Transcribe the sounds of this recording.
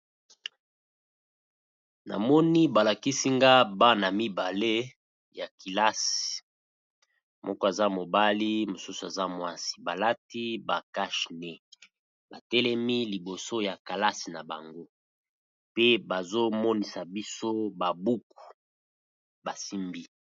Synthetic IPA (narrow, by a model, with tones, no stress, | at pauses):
na̰˨mɔ˦ni˦ba˨la˨ki˦si˦ŋɡa˦ba˦na˨mi˦ba˨le˦ | ja˨ki˨la˦si̥˨ | mʔɔ˦kɔ˦e˨za˦mo˨ba˦li˦mo˨su˦su˨e˨za˦mwa˦si̥˨ba˨la˦ti˦ba˨ka˦ʃnɛ˨ | ba̰˨tɛ˦lɛ˦mi˦li˨bo˨so˦ja˨ka˨la˦si˨na˨ba̰˨ŋɡo˦ | pe˦ba˨zo˦mɔ˦ni˨sa˨bi˦so˦ba˨bu˦ku̥˨ | ba˨si˦mbi˦